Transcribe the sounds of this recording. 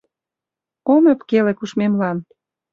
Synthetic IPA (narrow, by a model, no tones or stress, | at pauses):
omĕpkelĕkuʃmemlɑn